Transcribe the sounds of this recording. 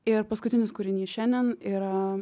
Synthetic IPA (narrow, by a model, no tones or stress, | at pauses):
ɪɾpɐskʊt̪ʲɪnʲɪskʊɾʲɪnʲiːʃʲɛnʲd̪ʲɛniɾɐ